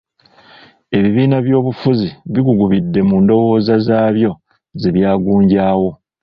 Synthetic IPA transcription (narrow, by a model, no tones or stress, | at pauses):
e̞βiβiːnaβjo̞ːβufuziβiɡuɡuβidːe̞muːndo̞wo̞ːzazaːβjo̞ | zeβjaːɡuːɲɟaːwo̞